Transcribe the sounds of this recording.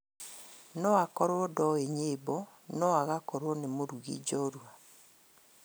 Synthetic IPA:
nɔakɔɾwɔdɔeɲebɔ | nɔaɣakɔɾwɔnemoɾuɣḭd͡ʒɔɾua

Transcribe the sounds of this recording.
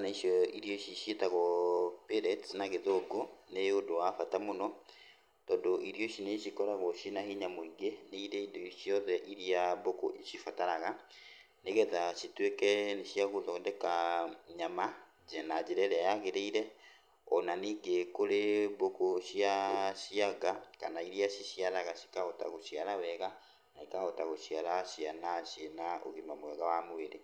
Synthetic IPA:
naiʃjɔiɾiɔʃiʃjetaɣɔpeɾɛtnaɣeðoɡoneodoafatamonɔ | tɔndoʔiɾjoʃineʃikɔɾaɣɔʃinahiɲamoiɡeneiɾeidoiʃjɔðɛʔiɾiaboko̰iʃifataɾaɣa | neɣɛðaʃitwekɛneʃiaɣoðɔndɛkaɲama | ɟɛnad͡ʒeɾɛɾɛajaɣeɾeiɾɛ | ɔnaniɡekoleβokoʃiaʃiaɡakanaiɾiaʃiʃialaɣaʃi̥kahɔta̰ɣoʃialawɛɣa | naikahɔtaɣoʃialaʃianaʃenao̰ɣemamoɛɣawamoβeɾe

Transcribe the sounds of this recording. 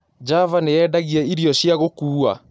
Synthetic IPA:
d͡ʒavaneɛdaɣiɛiɾiɔɕiaɣokuːa̰

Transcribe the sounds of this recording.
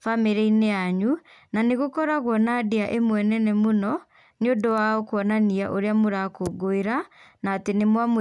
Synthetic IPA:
fameɾɛineaɲu | naneɣokɔɾaɣwɔnadeaʔemwɛnɛnɛmonɔ | njodɔwaɔkwɔnaniaʔoɾeamoɾakoɡoeɾa | naːtenemwam

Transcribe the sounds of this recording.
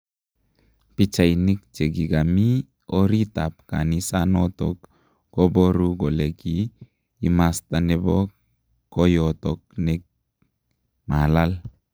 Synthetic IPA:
pit͡ʃajnik̚t͡ʃeɡiɡami | oɾitap̚ka̰nisanoto̰k | ɡoboɾuɡoleɡiː | mastanebok | kojotok̚nek̚ | malal

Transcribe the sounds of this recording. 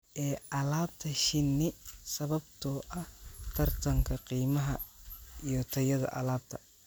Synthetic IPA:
ʔɛːʔɐlaːb̚t̪ʰɐʃɪnːɪsɐβɐbt̪ʰɔːʔɐht̪ʰɐrt̪ʰɐŋkʰɐqiːmɐɦɐijɔt̪ʰɐjɐðɐ̰ʔɐ̰laːb̥̚t̪ʰɐ

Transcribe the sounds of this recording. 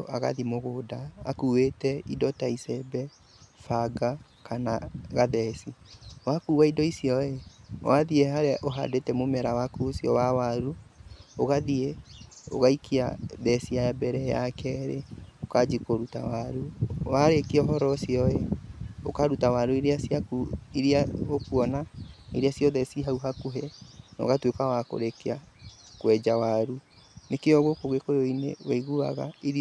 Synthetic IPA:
ʔaɣa̰ðimoɣoda̰ːkuːwetɛidɔtaisɛbɛ | faɡa | kanaɣaðɛsiwakuːwaidɔisiɔewaðieɦaɾeaʔoɦa̰detɛmomɛɾawakuosjɔwawaɾuoɣaðieo̰ɣaikʰia̰ðɛsiabɛɾɛja̰kɛɾḛokad͡ʒikoɾuta̰waɾuwaɾekiɔɦɔɾɔsjɔɛo̰kaɾutawaɾueɾeasjakuiɾiaokuɔnaḛɾeasjɔðɛsiɦauɦakuɦɛnɔ̰ɣatweokawako̰ɾekeakwɛd͡ʒawaɾunekeɔɣokoɣekoɾeoinḛwaiɣua̰ɣa̰e

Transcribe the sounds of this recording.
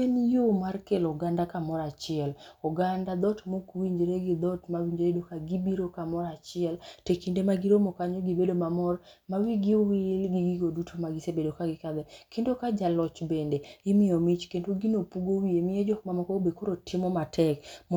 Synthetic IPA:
enjomarkelɔɡandakamɔɾat͡ʃɪɛlɔɡandad̪ɔtmokwiɲd͡ʒɾeɡɪd̪ɔtmawiɲd͡ʒɾedokaɡibiɾokamɔɾat͡ʃɪɛltekindemaɡiɾomokaɲoɡibedomamɔrmawiɡiwɪlɡiɡiɡodutʰomaɡɪsebedokaɡɪkad̪ɛkendokad͡ʒalɔt͡ʃbendeɪmɪɔmit͡ʃkendoɡinopuɡowiemɪjed͡ʒɔk̚mamɔkɔobekoɾotʰɪmɔmatʰɛkm

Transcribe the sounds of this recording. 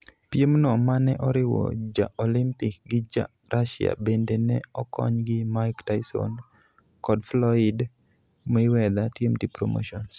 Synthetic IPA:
pjemnɔmanɛʔɔɾɪwɔ̰d͡ʒa̰ʔolimpɪk̚ɡɪd͡ʒa̰ | ɾʔaʃɪa̰bendenɛɔkʰɔ̰ɲɡɪmaktaɪsɔ̰n | kɔdflɔɪd | mɪwɛd̪atjemdipɾo̰mo̰ʃɔns

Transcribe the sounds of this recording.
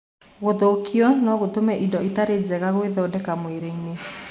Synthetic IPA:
ɣoðokiɔnɔɣotomɛʔindɔitaɾed͡zɛɣaɣoweðɔːdɛkamweɾeine

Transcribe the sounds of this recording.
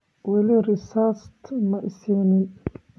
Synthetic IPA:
wɛlirɪsaːst̪ʰmɐʔɪsɛnɪn

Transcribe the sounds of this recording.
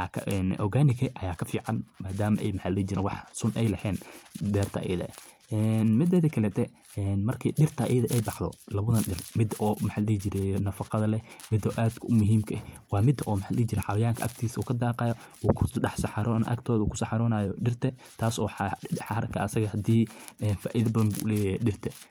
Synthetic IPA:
kʰɐɛnʔɔɣaːnɪkɐʔɐjaːkʰɐfiːʕɑnmaːd̪aːmɐʔɛjmɐħalɛt͡ʃɪɾɛnwɑħsʊnɛjlɐhɛːnd̪ɛːrt̪ʰɐ̰ʔjɐðɐ̰ | ɛnmɪd̪ɐðɐkʰɐlɛːt̪ʰɛ | ɛnmɐrkʰiɗɪrt̪ʰɐʔɛ̰jɐðɐʔɛjbɑħd̪ɔ̰lɐβʊðɐnɖɪrmɪd̪ʔɔːmɐħalɛt͡ʃɪɾɛjnɐfɑqɑðɐlɛmɪd̪ɔʔaːd̪kʰʊmʊɦiːmkʰɐʔwɑːmɪd̪ɐʔɔːmħaːlɛt͡ʃɪɾɛħɑwɐjaːŋkʰɐʔɐk̚t̪ʰiːsuːkʰɐd̪aːqɑjɔuːkʰʊɑħsɐħɑɾɔːnʔɐ̰kt̪ʰɔːðɐuːkʰʊ̥sɑħɑɾɔːnaːjɔɖɪrt̪ʰɐ | t̪ʰaːsɔːħɑħɑɾɐkʰɐɐsɐɣɐhɐd̪iːɛːnfa̰ːʔiðɐbɐðɐnbṵːʔʊlɛːjaɖɪrt̪ʰɛ

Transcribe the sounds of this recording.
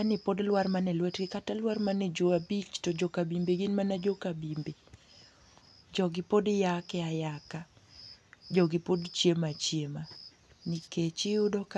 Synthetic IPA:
anɪpodlwarmanɛlwɛtɡɪkatalwarmanɛd͡ʒoabit͡ʃtɔd͡ʒokabimbeɡɪnmanad͡ʒokabimbe | d͡ʒɔɡɪpodjakɛajaka | d͡ʒɔɡɪpodt͡ʃjemat͡ʃjema | nɪket͡ʃɪʊdɔk

